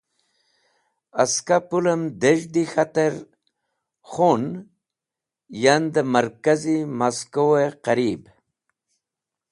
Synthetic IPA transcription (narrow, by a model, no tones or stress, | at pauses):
askapuləmd̪eʒd̪ixat̪əɾ | xun | jand̪əmaɾkazimaskoweqaɾib